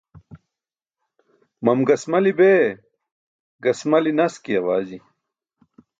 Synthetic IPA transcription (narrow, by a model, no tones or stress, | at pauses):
mɐmɡɐsmɐlibeː | ɡɐsmɐlinɐskiɐwaːzi